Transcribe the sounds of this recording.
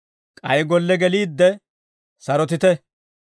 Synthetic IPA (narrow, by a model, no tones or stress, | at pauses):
kʼɐjɡɔlːɛɡɛliːd̪ːɛ | sɐɾɔt̪ɪt̪ɛ